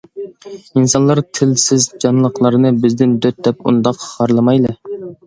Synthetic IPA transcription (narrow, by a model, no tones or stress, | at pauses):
insɑnlˠɑɾt̪ʰɪlsɪzd͡ʒɑnlˠəqlˠɑɾnɨbɪzd̪ɪnd̪øt̪̚d̪ɛp̚ṵnd̪ɑqχɑɾlˠɨmɑjlˠɨ